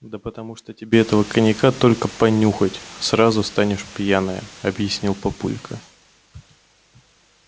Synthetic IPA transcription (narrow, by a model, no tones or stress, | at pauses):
d̪əpət̪ɐmuʂt̪otʲɪbʲeɛt̪əvəkənʲɪkat̪o̞lʲkəpɐnʲuxətʲsɾazʊst̪anʲɪʂpʲjanəjə̰ɐbjɪsʲnʲilˠpɐpṵlʲkʰə̰